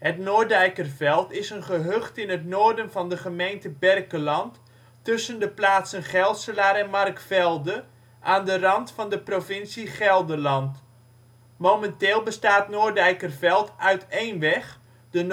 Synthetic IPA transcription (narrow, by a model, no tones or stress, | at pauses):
hətnoːrdɛjkərvɛlˠtɪsənχəɦøχtɪnətnoːrdənvɑndəχəmejntəbɛrkəlɑntː | ɵsəndəplaːtsənχɛlˠtsəlaːɾɛnmɑrkfɛlˠdə | ʔaːndərɑntfɑndəprovɪnsiχɛlˠdəlɑnt | momɛnteːlˠbəstaːtnoːrdɛjkərvɛlˠtœɥtʰejnʋɛχ | d̥ən